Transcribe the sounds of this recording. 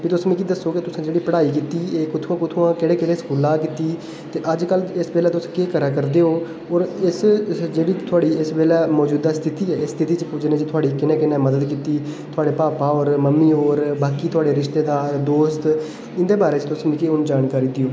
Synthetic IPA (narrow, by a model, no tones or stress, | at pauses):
biːt̪ʊsmĩːkid̪əsːoːkɪt̪ʊsãːd͡ʒeːɽiːpəɽaːiːk̬iːt̪iːeːkʊt̪ʰuãːkʊt̪ʰuãːkɪɽeːkɪɽeːskuːlãːkiːt̪iː | t̪eːʔəd͡ʒkəlɪsbeːlɛːt̪ʊsãːkeːkəɾãːkəɾd̪eːɦoː | ɔːɾɪsd͡ʒeːɽiːt̪ʰʊaːɽiːɪsbeːlɛːmɔːd͡ʒuːd̪aːst̪ʰɪt̪iːɛːɪst̪ʰɪt̪iːt͡ʃd͡ʒɪnẽːd͡ʒt̪ʰʊaːɽiːkɪnẽːkɪnẽːməd̪əd̪kiːt̪iːt̪ʰʊaːɽeːpaːpaːoːɾməmːiːoːɾbaːkiːt̪ʰʊaːɽeːɾɪʃt̪eːd̪aːɾd̪oːst̪ | ɪ̃nd̪eːbaːɾeːt͡ʃt̪ʊsmĩːkiʊnd͡ʒaːnkaːɾiːd̪ioː